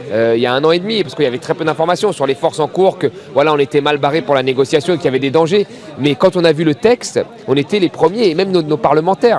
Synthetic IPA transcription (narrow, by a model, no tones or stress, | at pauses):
øiljaɛ̃nɑ̃ed̪mipaʁsəkəiljavɛt̪χɛpød̪ɛ̃fɔʁmasjɔ̃syʁlefɔʁsɑ̃kuːʁkə | vwalaɔ̃net̪ɛmalbaʁepuʁlaneɡɔsjasjɔ̃ekʲiljavɛd̪ed̪ɑ̃ʒe | mɛkɑ̃t̪ɔ̃navylət̪ɛkst̪ | ɔ̃net̪ɛlepχəmjeːmɛmnonopaʁləmɑ̃t̪ɛːʁ